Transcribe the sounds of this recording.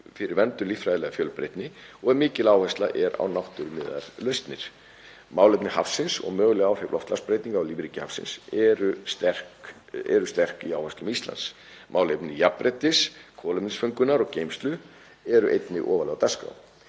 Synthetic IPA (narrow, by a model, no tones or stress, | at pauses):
fɪɾɪɾvɛnt̪ʏlifɾajðɪlɛɣafjœːlpɾḛjt̪nɪɔɣɛmɪːcɪlaːwhɛst̪la̰ʔɛɾa̰wnawht̪ʏɾmɪːða̰ɾ̥lœɥst̪nɪɾ̥ | maːwlejpnɪhafsɪnsɔ̰ɣmœːɣʏlɛɣawfɪɾɾlɔ̰ft̪laspɾeːjt̪niŋkawliːvɾicɪhafsɪ̰nsɛɾʏst̪ɛr̥k | ɛ̰ɾʏst̪ɛr̥kiaːwhɛst̪lʏmist̪la̰ns | mʔaːwlepnɪjapːɾɛt̪ɪskʰɔːlɛpnɪsfœŋkʏnaɾɔɣceːjmst̪lʏ | ɛɾʏʔḛjt̪nɪʔɔːvalɛɣawt̪aska̰w